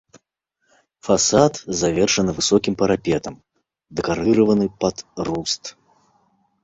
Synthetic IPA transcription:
fasat̪zavʲɛrʂɐnɨvɨsɔkʲimpɐɾapʲɛt̪ɐm | d̪ɛkaɾɨɾɐvɐnɨpɐd̪rust̪

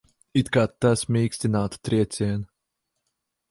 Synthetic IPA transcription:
it̪kaːasmʲiːksʲt̪ʲinaːt̪t̪ɾiɛt̪sʲiɛn

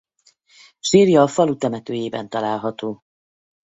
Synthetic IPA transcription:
ʃiːɾjɒːfɒlut̪ɛmɛt̪øːjeːbɛ̰nt̪ɒlaːlɦɒt̪oː

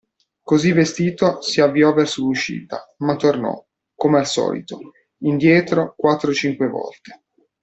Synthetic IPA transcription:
kozivest̪iːt̪osiavːiɔvɛrsoluʃːḭːt̪a̰mat̪ːornɔ̰ | komealsɔ̰ːlḭt̪o | ind̪jɛːt̪ɾokwat̪ːɾot͡ʃiŋkwevɔ̰lt̪e̥

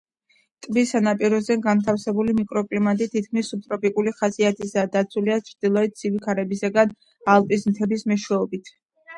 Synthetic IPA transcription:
t̪ʼbisanapʼiɾɔzɛɡant̪ʰafsɛbulimikʼɾɔkʼlimat̪ʼit̪ʰit̪̚ʰkʰmisːub̚t̪ʼɾɔpʼikʼuliχasiat̪ʰisad̪at̪sʰuliat͡ʃʰɾd̪̥ilˠɔɛt̪̚d̪z̥ivikʰaɾɛbisaɡan | alˠpʼis̬mt̪ʰɛbismɛʃwɛɔbit̪ʰ

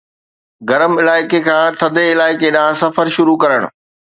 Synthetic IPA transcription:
ɡɐɾəmɪlaːɪkekʰãːt̪ʰɐd̪ʱeɪlaːɪkeɗãːsɐfəɾʃʊɾukɐɾəɽ̃ʊ̰̆

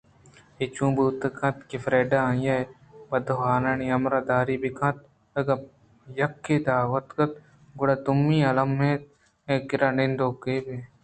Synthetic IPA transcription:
et͡ʃũːbuːt̪ɐkɐ̃t̪kifɾeːɖajɐe | bɐd̪ɦaːnɐniɐmɾad̪aːɾibikɐ̃t̪̚ | ɐɡɐ | jɐkːed̪aːʋɐt̪kɐt̪̚ | ɡʊɽat̪umːĩːɐlɐmːẽt̪̚ | ẽkɪɾanind̪oːkebe

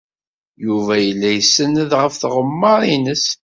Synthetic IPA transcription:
juvæjəlːæjəsːənəðʁəfθʁəmːɑɾˤinəs

